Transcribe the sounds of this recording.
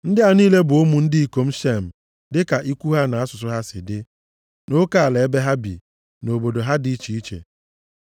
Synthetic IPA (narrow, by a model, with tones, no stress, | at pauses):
n̩˦dɪ˦a˨niː˦le˦bʊ˨o˦mu˨n̩˦dɪ˦i˨ko˨m̩˦ʃe˦m̩˨ | dɪ˦ka˨ʔi˦kʷu˦ɦa˦na˨a˦sʊ˨s̬ʊ˦ɦa˦sɪ̰˨dɪ˦ | no˦ka˨a˨le˨e˦be˦ɦa˦bḭ˨ | no˨bo˨do˨ɦa˦di˦t͡ʃi˨i˦t͡ʃḛ˨